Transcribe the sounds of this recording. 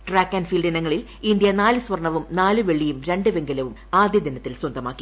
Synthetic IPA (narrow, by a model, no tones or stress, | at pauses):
ʈraːkːɐnfiːlɖinɐŋːɐɭil | ind̪jɐnaːlɨswɐrɳɐʋumnaːlɨʋe̞ɭːijumɾe̞ɳɖɨʋe̞ŋɡɐlɐʋumaːd̪jɐd̪inɐt̪ːilswɐnd̪ɐma̰ːkːi